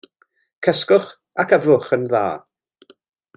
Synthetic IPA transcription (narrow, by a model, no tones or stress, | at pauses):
kʰəskʊχ | akʰavʊχənða̰ː